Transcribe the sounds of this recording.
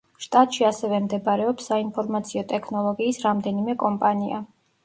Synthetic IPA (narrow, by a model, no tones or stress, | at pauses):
ʃt̪ʼat̪ʼʃiasɛvɛmd̪ɛbaɾɛɔpsːainpʰɔɾmat̪sʰiɔt̪ʼɛkʰnɔlˠɔɡiːsɾamd̪ɛnimɛkʼɔmpʼania̰